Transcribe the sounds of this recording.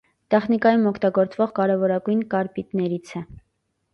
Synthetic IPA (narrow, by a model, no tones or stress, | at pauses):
t̪ɛχnikɑjumɔkʰt̪ɑɡɔɾt͡svɔʁkɑɾɛvɔɾɑɡujnkɑɾpit̪nɛɾit͡sʰɛ